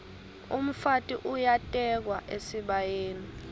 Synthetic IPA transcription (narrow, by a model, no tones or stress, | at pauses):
ṵm̩fatʼiʔujatʼɛk̬waʔesiɓajeːni